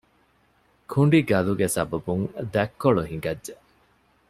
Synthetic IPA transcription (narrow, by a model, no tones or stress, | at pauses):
kʰuɳɖiɡɐluɡesɐ̰bɐbuŋd̪ækːoɭuɦiŋɡɐdːe